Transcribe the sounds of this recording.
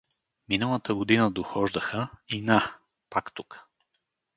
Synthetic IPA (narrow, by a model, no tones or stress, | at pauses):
minəlˠət̪əɡod̪inəd̪oxɔʒd̪əxəina | pakt̪uk